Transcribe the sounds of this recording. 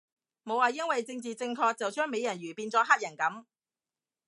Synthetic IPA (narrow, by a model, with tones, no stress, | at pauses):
mo˨˧waː˨jɐ˥nwɐ˨jt͡sɪ˧ŋt͡siː˨t͡sɪ˧ŋkʰɔː˧k̚t͡sɐ˨wt͡ʃœː˥ŋme˨˧jɐ˨˩nɥyː˨˩piː˧nt͡sɔː˨˥ɦaː˥t̚jɐ˨˩nkɐ˨˥m